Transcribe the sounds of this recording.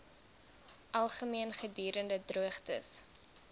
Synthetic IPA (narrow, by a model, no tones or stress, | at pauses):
ʔɐlˠχəmiənχədyːɾəndədruəχtəs